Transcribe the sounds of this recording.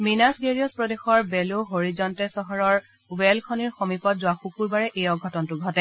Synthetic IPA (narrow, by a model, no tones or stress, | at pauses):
minasɡeɹiɔspɹɔdexɔɹbɛloɦoɹizɔntɛsɔɦɔɹɔɹ | wɛlkʰɔniɹxomipɔt̚zʊwaxukuɹbaɹɛʔejɔɡʱɔtɔntʊɡʱɔtɛ